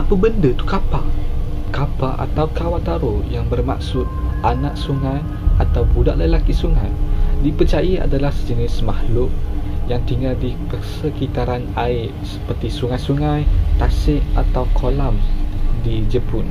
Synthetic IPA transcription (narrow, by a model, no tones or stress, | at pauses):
apəbəndət̪u̥kapa̰kapaʔa̰t̪awkawat̪aɾojaŋbərma̰ksʊt̪̚ʔanaʔ̚suŋaj | ʔat̪awbudaʔləlakisuŋajdipət͡ʃajia̰dalahd͡ʒənɪsmahlʊʔjaŋt̪iŋɡaldipəsəkit̪aɾanaɪʔsə̥pərt̪isuŋajsuŋãjt̪asɪʔat̪awkʰolamdid͡ʒəpʊn